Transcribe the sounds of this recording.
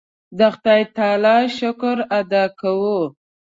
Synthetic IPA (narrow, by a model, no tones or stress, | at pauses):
d̪əxt̪ɑjt̪ɑlɑʃʊkʊɾad̪ɑkawu